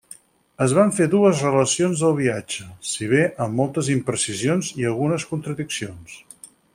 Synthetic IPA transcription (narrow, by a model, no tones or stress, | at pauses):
əzβ̞aɱfeðuəzrələsionzðəlˠβ̞iad͡ʒəsiβ̞eʔəmːɔlˠt̪əzimpɾəsizionziəlˠɣunəskunt̪ɾəðiksions